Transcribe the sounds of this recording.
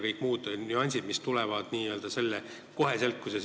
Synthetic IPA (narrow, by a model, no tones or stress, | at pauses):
kɤjkːˑmuːd̪̥onuɑnʲsid̪mist̪ulɛvɑd̪̥niːøːld̪ɑse̞lːe | ko̞ɦe̞se̞lkːuse